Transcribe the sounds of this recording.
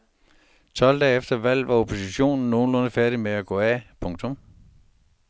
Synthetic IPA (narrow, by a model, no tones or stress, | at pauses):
t͡sʰɒ̽l̰d̥ɛ̰ːefd̥ɐʋæl̰ʋɑ̈o̝pʰo̝siɕo̝̰ːnn̩ːo̝ːn̩lɔ̽nəfæɐɾimeæɡ̥ɔ̰̽æpʰɔ̽ŋt͡sʰɔ̽m